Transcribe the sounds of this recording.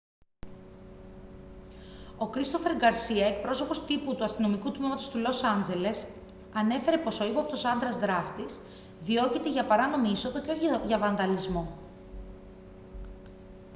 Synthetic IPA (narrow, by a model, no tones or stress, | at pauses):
o̞kɾist̪o̞fe̞ɾɡɐɾsiɐe̞k̚pɾo̞so̞po̞st̪iput̪uɐst̪ino̞mikut̪mimɐt̪o̞st̪ulo̞sɐnd͡ze̞le̞s | ɐne̞fe̞ɾe̞po̞so̞ipɐpt̪osɐnd̪ɾɐzðɾɐst̪is | ðio̞cit̪e̞ʝɐpɐɾɐno̞miiso̞ðo̞ceo̞çiʝɐvɐnðɐlizmo̞